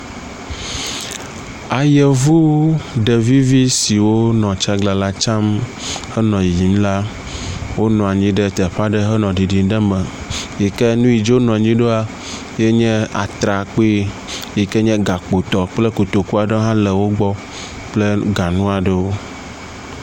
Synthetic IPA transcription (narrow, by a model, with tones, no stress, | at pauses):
a˨je˨vu˦ɖɛ˨vi˦vi˦si˨wo˦nɔ̃˨t͡ʃa˦ɡla˨la˦t͡ʃa˦m | hɛ˦nɔ̃˨jji˨mla˦ | wo˦nɔ̃˨a˨ɲĩ˦ɖɛ˦t̪ɛ˨ɸa˦ɖɛ˦ɦɛ˦nɔ̃˨ɖi˨ɖi˨˦ɖɛ˦mɛ˨ | jɛ˨kɛ˦nũ˦i˨d͡ʒo˦nɔ̃˨ɲĩ˦ɖo˦a˨ | jɛ˦ɲɛ̃˦a̰˨t̪ɾa˨k͡pe˦ | jɛ˨kɛ˦ɲɛ̃˦ɡa˨k͡po˨t̪ɔ˨k͡plɛ˦ko˨t̪o˨ku˦a˨ɖe˦ɦã˦lɛ˨wo˦ɡ͡bɔ˦ | k͡plɛ˦ɡa˨nũ˦a˨ɖɛ˦wo˦